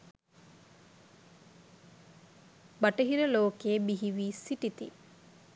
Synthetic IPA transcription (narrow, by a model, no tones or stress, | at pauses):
bɐʈəɦiɾəloːkeːbiɦiʋiːsiʈit̪ḭ